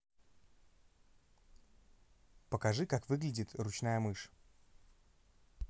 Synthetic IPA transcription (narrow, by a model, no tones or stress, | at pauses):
pəkɐʐɨkakvɨɡlʲɪdʲɪt̪rʊt͡ɕnajəmɨʂ